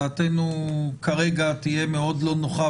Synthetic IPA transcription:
aːt̪enukaʁeɡat̪ije̞meo̞dlo̞noχa

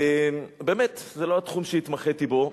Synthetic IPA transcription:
embe̞ːmet̪zelo̞at̪χumʃeit̪maχet̪ibo̞

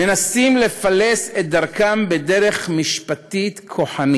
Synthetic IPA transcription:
enasimle̞faleset̚d̪aʁkambede̞ʁe̞χmiʃpat̪it̪kʰo̞ħani

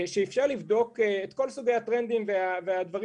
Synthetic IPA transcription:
ʃeifʃaʁlivdo̞keet̪ko̞lsuɡejhat̪ʁend̪imveavead̪vaʁi

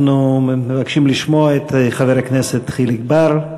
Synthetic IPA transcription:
numevakʃimliʃmoaet̪χaveɾakneset̪ːχiliɡbaɾ

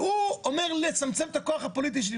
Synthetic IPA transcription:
uɔmɛʁlˠɪt͡samt͡sɛftakoaχapɔlit̬ɪʃ̬di

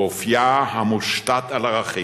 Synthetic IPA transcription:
ofjahamuʃtat̪alaʁaχi

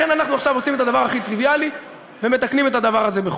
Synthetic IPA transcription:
enanaχnuaχʃavo̞sime̞t̪ad̪avaʁaχit̪ʁivijali | veme̞t̪aknime̞t̪ad̪avaʁaze̞beχ

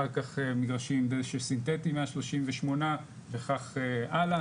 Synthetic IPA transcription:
aʁkaχemiɡʁaʃimdeʃesint̪etimeaʃloʃimveʃmo̞na | veχaχeʔala

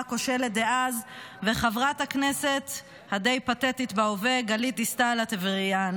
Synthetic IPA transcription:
ko̞ʃeled̪eʔazveχavʁathaknese̞t̪ | hadejpatetit̪baoveɡalit̪istalat̪evʁian

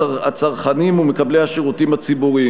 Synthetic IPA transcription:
at͡saʁχanimumekablehaʃeʁutimat͡sibuʁi

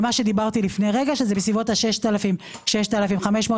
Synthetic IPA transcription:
maʃed̪ibaʁt̪ilifnejʁe̞ɡaʃezebesivo̞thaʃeʃt̪alafim | ʃeʃtalafimχameʃmoː

